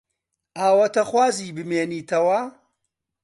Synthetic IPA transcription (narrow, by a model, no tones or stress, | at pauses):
ʔaːwɐt̪ɐxwaːziːbɨmeːniːt̪ʰɐwɐ